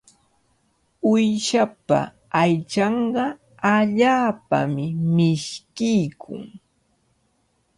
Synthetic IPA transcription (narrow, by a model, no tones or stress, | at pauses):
ʊjʃapa̰ | ajt͡ʃɑɴɢɑ | aʎaːpa̰mɪmɪʃkɪjkʰʊ̰ŋ